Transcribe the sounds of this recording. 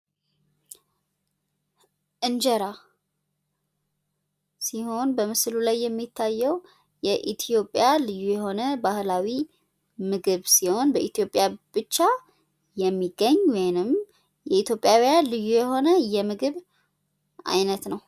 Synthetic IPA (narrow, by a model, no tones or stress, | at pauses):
ʔɨnd͡ʒɛɾa | siho̞nbəmɨslulajːɛmːit̪ʰːajːɛw | jɛʔit̪ʰijo̞pʼːjalɨjːujɛɦo̞nəbahlawi | mɨɡɨβsiho̞nbəʔit̪ʰijo̞pʼːjab̥ɨt͡ʃːa | jɛmːiɡːəɲːwɔjnɨm | jɛit̪ʰjo̞pʼːjawijalɨjːujɛɦo̞nəjɛmɨɡɨβ | ʔa̰jnət̪nəw